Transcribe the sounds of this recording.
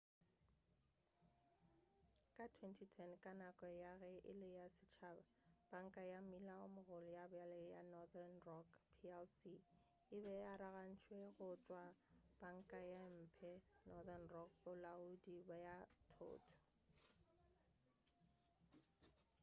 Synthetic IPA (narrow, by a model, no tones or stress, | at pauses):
kʼatʰwɛntʰitʰɛnkʼanakʼɔjaɣɛʔɪ̰lɪjasɪt͡ʃʰaːbab̥aŋ̩kʼajamilaʊmʊɣʊlɪjabʊjalɛjanɔðanrɔkpʰiɛlsi | ɪbɛaɾaɣan̩t͡ʃʰweɣʊt͡ʃʼwab̥aŋ̩kʼajam̩ːpʰɛnɔðanrɔk̚bʊlaudibajatʰo̰ːtʰɔ̥